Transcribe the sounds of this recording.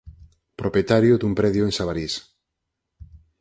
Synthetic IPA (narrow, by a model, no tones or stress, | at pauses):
pɾopjet̪aɾjʊd̪umpɾɛðjʊeŋsaβaɾis